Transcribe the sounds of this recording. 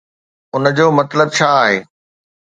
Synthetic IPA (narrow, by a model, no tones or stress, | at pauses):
ʊnəd͡ʑoːmɐt̪ləb̚t͡ɕʰaːaːɦḛː